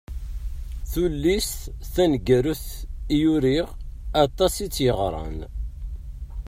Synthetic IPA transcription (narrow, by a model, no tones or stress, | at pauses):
θulːisθænɡæɾuθijuɾiʁɑt̪ˤɑsit͡sːjəʁɾˤɑ̰n